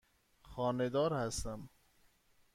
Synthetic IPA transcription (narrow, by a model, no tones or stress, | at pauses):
xɒːned̪ɒːɾhæst̪æm